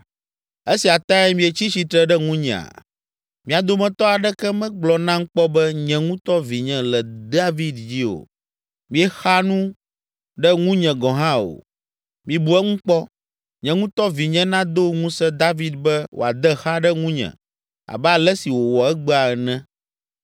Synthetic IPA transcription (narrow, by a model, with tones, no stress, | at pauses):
e˦si˨a˨t̪a˦ɛ˦mĩ˦ɛ˨t͡ɕi˦t͡ɕi˨t̪ɾɛ˦ɖɛ˦ŋũ˦ɲɛ̰̃˨a̰˨ | mĩ˨a˨d̪o˦mɛ̃˨t̪ɔ˦a˨ɖɛ˦kɛ˦mɛ̃˦ɡ͡blɔ˨nã˦ŋ̩˦k͡pɔ˦bɛ˦ɲɛ̃˨ŋũ˦t̪ɔ˦vi˨ɲɛ̃˨lɛ˨d̪a˦vi˦d̪d͡ʑi˦o̰˨ | mĩ˦ɛ˦xa˦nũ˦ | ɖɛ˦ŋũ˦ɲɛ̃˨ɡɔ̃˨ɦã˦o̰˨ | mĩ˨bu˨ɛ˦ŋũ˦k͡pɔ˦ | ɲɛ̃˨ŋũ˦t̪ɔ˦vi˨ɲɛ̃˦nã˦d̪o˦ŋũ˦sɛ˦d̪a˦vi˦d̪̚bɛ˦wʔo̰˨a˨d̪ɛ˦xa˦ɖɛ˦ŋũ˦ɲɛ̰̃˨ | a̰˨bɛ˦a˨lɛ˦si˨wo˨wɔ˨ɛ˦ɡ͡bɛ˦a˨ɛ˨nɛ̃˦